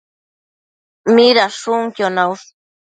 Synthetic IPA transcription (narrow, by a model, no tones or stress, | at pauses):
miɾaʂuŋkjonaws